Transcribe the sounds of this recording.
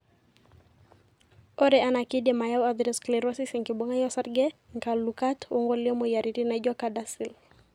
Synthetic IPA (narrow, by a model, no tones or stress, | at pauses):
ɔɾɛanakidɛmajawaðiɾɛsklɛɾɔsisɛŋkiɓɔŋajɔsaɾɡɛŋkalukatuŋɡɔliɔmɔijaɾiɾinad͡ʒɔkadasil